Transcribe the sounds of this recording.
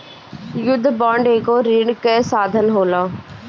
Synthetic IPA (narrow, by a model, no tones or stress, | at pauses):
jʊd̪ʱːbaːɳɖeːkoːɾiɳkesaːd̪ʱənɦoːlaː